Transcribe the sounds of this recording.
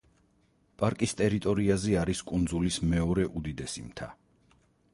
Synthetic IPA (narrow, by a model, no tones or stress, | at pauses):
pʼaɾkʼist̪ʼɛɾit̪ʼɔɾiazɛaɾiskʼund̪zulismɛɔɾɛʔud̪id̪ɛsḭmt̪ʰa̰